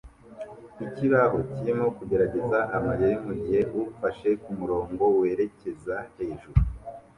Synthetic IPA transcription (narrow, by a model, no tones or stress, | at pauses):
iciβaɦo̞cijemo̞kuɟe̞ɾaɟe̞zaʔamaɾejimuɟiheʔuufaʃe̞kumuɾo̞ːŋɡo̞we̞ːɾe̞ce̞zahe̞ːʒuɾu